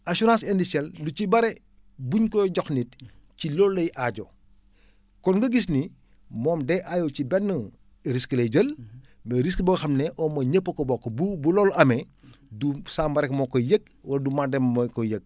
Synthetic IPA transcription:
asuɾãnsɛndisɛlducibɐɾɛ | buɲkɔɟɔxnit̚cilɔlːɐjʔaɟɔ | kɔnɡɐɡis̬ni | mɔːmdɛʔajowt͡ʃibɛnːə | ɾiskəleɟəlmeɾiskbɐɡɐxɐmnɛʔɔmɐɲəpːɐkɔbɔkːobubulɔːlɐmɛ | dusaːmbɐɾɛkmɔkɔjəɡ̚ | wɐɾdumadɛmmkɔjək̚

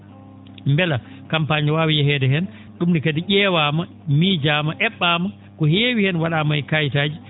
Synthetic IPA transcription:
mbɛla | kampaɲwaːwijɛhɛːdɛɦɛn | ɗumnikadiʔʲɛːwaːma | miːd͡ʒaːmaʔɛɓːaːma | kɔheːwihɛnwaɗamajkajtaːd͡ʒi

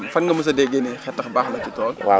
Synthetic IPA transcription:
fɐnŋɡɐmus̬ɐdɛɡːenɛxɛtːɐxbaːxlɐcutɔːlwa

